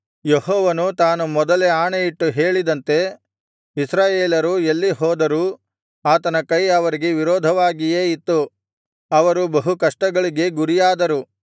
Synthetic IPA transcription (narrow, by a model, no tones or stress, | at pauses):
jeɦɔːʋɐnut̪aːnumɔd̪ɐleaːɳejiʈːuɦe̞ːɭid̪ɐnt̪e̞ | isɾaːjeːlɐɾuelːiɦɔːd̪ɐɾu | aːt̪ɐnɐkɐjɐʋɐɾiɡe̞ʋiɾɔːd̪ʱɐʋaːɡije̞ːit̪ːu | ɐʋɐɾubɐɦukɐʂʈɐɡɐɭiɡe̞ɡuɾijaːd̪ɐɾu